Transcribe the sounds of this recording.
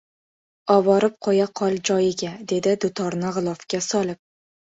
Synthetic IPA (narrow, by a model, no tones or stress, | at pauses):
ɒβɒɾɪp̚qʰɒjaqʰɒlˠd͡ʒɒjɪɡʲad̪e̞d̪ɪd̪ʊt̪ʰɒɾnɪʁɨlˠɒfkʲasɒlˠɪp̚